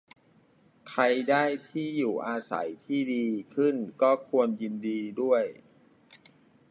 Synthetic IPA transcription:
kʰɾa˧jdaː˥˩jt̪ʰiː˥˩juː˨˩ʔaː˧sa̰˩˦jt̪ʰiː˥˩diː˧kʰɯ˥˩nkɔː˥˩kʰu˧ənji˧ndiː˧du˥˩əj

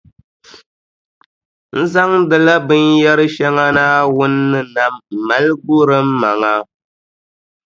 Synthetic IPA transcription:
n̩˦za˦ŋdɨ˨la˦bɨ˦njɛ˦ɾɨ˦ʃɛ˦ŋa˦naː˦wʊ˦nːɨ˦na˨m̩˨ma˨˦lɡʊ˦ɾɨ˦m̩ː˦a˨ŋa˦

